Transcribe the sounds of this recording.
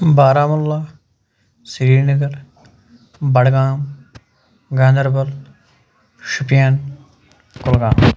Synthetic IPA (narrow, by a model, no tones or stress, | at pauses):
baːɾaːmʊlːaː | sɪɾiːɾnəɡəɾ | bɐɽɡaːm | ɡãːnd̪əɾbɐl | ʃʊpjaːn | kʊlɡaːm